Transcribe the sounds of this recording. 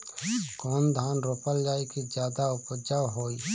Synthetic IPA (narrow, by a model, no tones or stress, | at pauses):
koːnd̪ʱaːnɾoːpəld͡ʒaːikid͡ʒjaːd̪aʊpəd͡ʒawɦoːiː